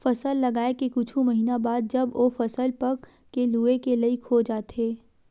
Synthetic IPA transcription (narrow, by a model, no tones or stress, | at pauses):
fɐsəlːɐɡaːekekʊt͡ʃʰũmɐɦiːnabaːd̪̚d͡ʒɐbʔoːfɐsəlpɐ | keluːekelɐikʰoːd͡ʒaːt̪eː